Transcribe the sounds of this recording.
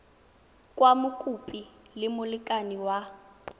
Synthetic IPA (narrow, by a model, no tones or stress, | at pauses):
kʼwamukʼupʼilɪmʊlikʼaniwa